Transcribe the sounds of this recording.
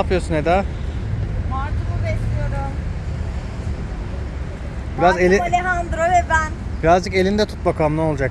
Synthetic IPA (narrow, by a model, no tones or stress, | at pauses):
pʰɯjoɾsuned̪ɛ | maɾt̪ʰumubɛslʲijoɾʊm | biɾazzelʲileɦand̪ɾovɛbænb̥iɾazd͡ʒɯke̞lʲind̪ɛt̪ʰut̪̚bakʰamnˠao̞lˠd͡ʒak